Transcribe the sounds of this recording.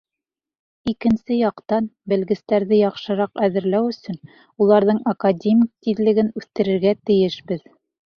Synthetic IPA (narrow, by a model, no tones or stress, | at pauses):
ikɘ̆nsɘjɒqt̪ɑnbɘ̆lɡɘ̆st̪æɾðɘjɒχʃɤ̆ɾɑqæðɘ̆ɾlæwɵ̆sɵn | ulˠɑɾðɤɴakadʲemʲik̚t̪iðlɘ̆ɡɘnʉθt̪ɘ̆ɾɘ̆ɾɡæt̪ɘ̆jɘʃbɘð